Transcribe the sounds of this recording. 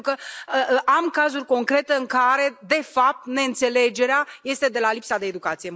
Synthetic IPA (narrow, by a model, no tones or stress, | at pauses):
ukəəʔamkazurʲko̞ŋkɾe̞t̪e̞ɨŋkaɾe̞d̪e̞fap̚t̪ne̞ɨnt̪se̞le̞d͡ʒe̞ɾeaje̞st̪e̞d̪e̞lalipsad̪e̞ːd̪ukat̪sije